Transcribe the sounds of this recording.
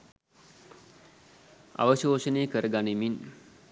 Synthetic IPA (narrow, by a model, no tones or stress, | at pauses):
a̰ʋəʃoːʃəneːkəɾəɡanimin